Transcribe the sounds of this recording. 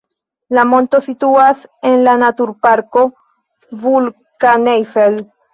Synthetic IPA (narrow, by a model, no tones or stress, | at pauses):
lamo̞nto̞situase̞nlanatuɾpaɾko̞ | vul | kanejfel